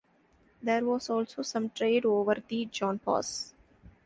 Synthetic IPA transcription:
d̪eːɾʋɔːzɔːlsoːsʌ̃mʈɾeːɖoːʋəɾd̪id͡ʒɔ̃ːnpɔ̰ːs

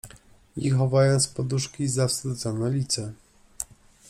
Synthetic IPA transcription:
ixɔvajɔnt̪spɔd̪uʂkʲizafst̪ud̪zɔnɛlʲit̪sɛ

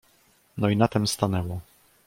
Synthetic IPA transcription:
nɔinat̪ɛmst̪anɛwɔ

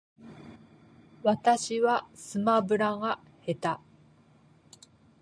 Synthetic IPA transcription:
βat̪aɕiβasɨmabɯ̟ɾaɡa | he̞t̪a

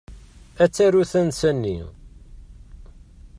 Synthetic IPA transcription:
æt͡sːæɾuθənsænːḭ

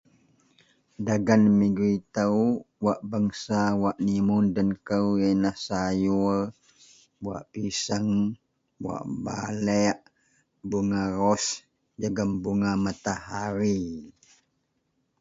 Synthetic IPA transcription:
daɡanmiɡɾit̪əwwaʔbaŋsawaʔnimundənkəwenahsajur | bwa̰ʔpisəŋ | wa̰ʔbalɛʔ | buŋarɔs | d͡ʒəɡəmbuŋamat̪ahaɾi

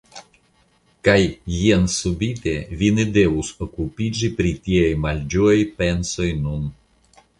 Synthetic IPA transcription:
kajːiansubit̪e̞vinede̞vusokupid͡ʒipɾitiajmald͡ʒuajpe̞nso̞jnun

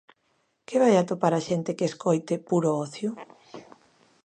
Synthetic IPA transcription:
keβajat̪opaɾaʃent̪ekeːskojt̪epuɾoɔθjʊ

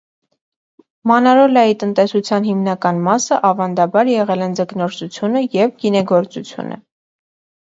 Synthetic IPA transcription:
mɑnɑɾɔlɑjit̪ənt̪ɛsut͡sʰjɑnɦimnɑkɑnmɑsəʔɑvɑnd̪ɑbɑɾjɛʁɛlɛnd͡zəknɔɾt͡sut͡sʰjunəjɛvɡinɛɡɔɾt͡sut͡sʰjṵnə̰

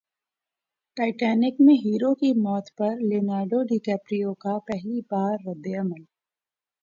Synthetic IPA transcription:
ʈaːɪʈɛːnɪkmẽɦiːɾokimɔːt̪pɐɾlɪnaːɾɖoɖikɛːpɾijõkapɛɦlibaːɾːɐd̪eɐməl

